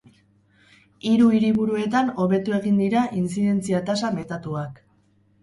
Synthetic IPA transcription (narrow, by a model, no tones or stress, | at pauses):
iɾuiɾiβuɾue̞t̪ano̞βe̞t̪ue̞ɣind̪iɾaʔinsiðe̞nt͡siat̪asame̞t̪at̪uak